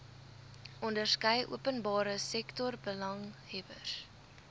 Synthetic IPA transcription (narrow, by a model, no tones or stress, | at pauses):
ʔɔndərskəjʔṵəpənbɑːɾəsɛktɔrbəlɐŋhɛvər